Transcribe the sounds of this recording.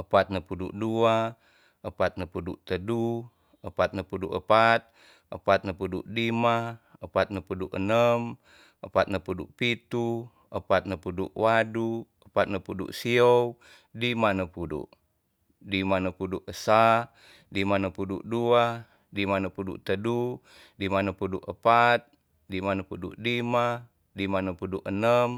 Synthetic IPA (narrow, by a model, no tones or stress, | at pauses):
əpat̪̚nəpudṵʔdua | əpat̪̚nəpuduʔt̪ədu | əpat̪̚nəpuduʔə̰pat̪̚ | ʔə̰pat̪̚nəpuduʔdima | əpat̪̚nəpuduʔənəm | əpat̪̚nəpuduʔpit̪u | əpat̪̚nəpuduʔwadu | əpat̪̚nəpudṵʔsiow | dimanəpudṵʔ | dimanəpuduʔəsa | dimanəpuduʔdua | dimanəpudṵʔt̪ədu | dimanəpuduʔəpat̪̚ | dimanəpuduʔdima | dimanəpuduʔənəm